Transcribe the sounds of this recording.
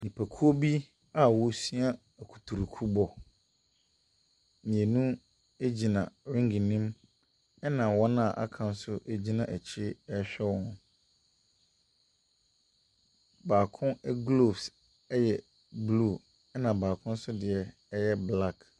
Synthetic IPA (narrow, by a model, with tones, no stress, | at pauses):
nĩ˨pʰæ˨kʰu˦o˦bi˦ | a˦wɔ˦si˦a˦˨ | kʰu̥˨tʰu˨ɾu˨kʰu˦bɔ˨ | mĩ˨e˨nũ˦ | e˦d͡ʑi˨nã̰˨ɾɪ̃˦ŋɡi˨nĩ˦m | ɛ˦nã˨wɔ˦nã˦˨ʔa̰˦kʰã˦˨n̩˦sʊ˦ʔe˦d͡ʑi˦nã˨ʔæ˨t͡ɕʰɪ˦ɛ˦ɕᶣɛ˦wɔ̃˦n | baː˨kʰʊ̃˦ɛ˦ɡlo˨bs | ɛ˦jɛ˨ | blu˦˨ | ɛ˦nã˨baː˨kʰʊ̃˦n̩˦sʊ˦dɪ˨ɛ˨˦ | jɛ˦bla˦˨k